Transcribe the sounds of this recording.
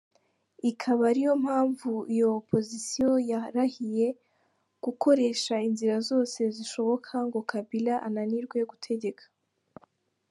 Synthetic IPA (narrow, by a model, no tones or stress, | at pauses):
ikʰaβaɾijo̞m̥haːɱvuijo̞pʰo̞zisijo̞jaɾahije̞ | ɡ̥ukʰo̞ɾe̞ːʃainziɾazo̞ːse̞ziʃo̞βo̞kʰaŋɡo̞kʰabilaʔananiɾɡwe̞ɡutʰe̞ɟe̞kʰḁ